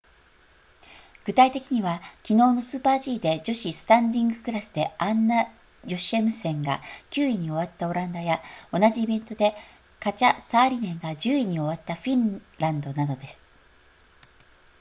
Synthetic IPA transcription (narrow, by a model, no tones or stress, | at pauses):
ɡ̥ɯ̟t̪ait̪e̞kʲiɲ̟iβakʲino̞ːno̞sɨːpaːʑiːd̪e̞d͡ʑo̞ɕisɨ̥t̪ãnd̪ʲĩŋɡɯ̟kɯ̟ɾasɨd̪e̞ãnːa | jo̞ɕiemɯ̟sẽ̞ŋɡa̰kʲɨːiɲ̟io̞β̞at̪ːao̞ɾãnd̪ajao̞naʑiːbẽ̞nt̪o̞d̪e̞ | kat͡ɕasaːɾʲinẽ̞ŋɡad͡ʑɨːiɲ̟io̞βat̪ːaɸʲĩn | ɾãnd̪o̞nad̪o̞d̪e̞sɨ̥